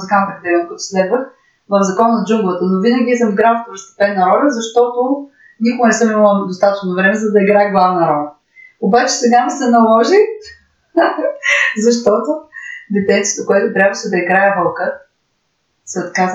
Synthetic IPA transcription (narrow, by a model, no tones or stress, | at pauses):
zɡapɾɛd̪ɛlɛnkɔɛt̪ʊ̥slɛd̪və | vəvzɐkɔnnɐd͡ʒumɡlˠvət̪ənovinɐɡʲiizəmiɡɾafp̪oɾost̪ɛ̥pɛnːɐɾɔlʲəzɐʃt̪ɔt̪o | nikʊɡnɛsɤmimlˠəd̪ost̪at̪ət͡ʃnovɾɛmɛzɐd̪ɐiɡɾajɛɡlˠavnɐɾɔlʲɐ | obat͡ʃɛ̥sɛɡasɛnɐlˠɔʒi | zɐʃ̬t̪ɔt̪od̪ɛt̪ɛnt̪ijət̪okʊɛt̪ʊt̪ɾʲabvəʃɛd̪ɐiɡɾajɛvəlˠkə | sɛot̪kaz